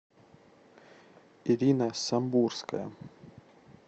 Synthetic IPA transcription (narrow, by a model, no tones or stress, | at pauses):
iɾʲinɐsɐmburskɐjɐ̰